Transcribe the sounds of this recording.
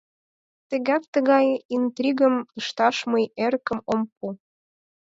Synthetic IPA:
t̪ə̆ɣæk̚t̪ə̆ɣɑjint̪rʲiɣə̆mə̆ʃt̪ɑʃməjeɾkə̆mompu

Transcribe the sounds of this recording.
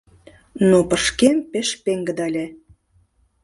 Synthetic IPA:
nopəʃkempeʃpeŋɡəd̪ɑlʲe

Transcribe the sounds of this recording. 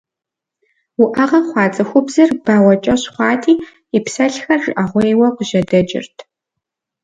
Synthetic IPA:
wʊʔɐʁɐχʷɑːt͡sʼɐxʷʊbzɐrbaːwɐt͡ʃʼɐɕχʷɑːtʰiː | ipsɐɬxɐrʒʷʼʔɐʁʷejwɐqəʒɐdɐt͡ʃʼɪ̰rtʰ

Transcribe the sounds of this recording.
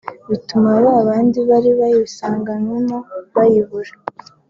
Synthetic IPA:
βitumaβaaβaːndiβaɾiβajisaːŋɡanwemoβajiβuɾe̥

